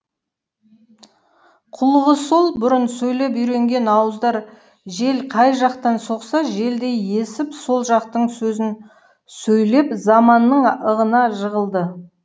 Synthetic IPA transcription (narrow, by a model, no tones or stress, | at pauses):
qʰʊlˠəʁəso̞lˠbʊɾənsɵjle̞p̬ijɾe̞ŋɡʲe̞nɑwəzd̪ɑɾ | ʒe̞lqʰɑjʒɑqt̪ɑnso̞qsɑʒe̞ld̪e̞je̞sɪpso̞lˠʒɑq̚t̪əɴsɵzɪn | sɵjle̞pzɑmɑnːəɴəʁənɑʒəʁəlˠd̪ə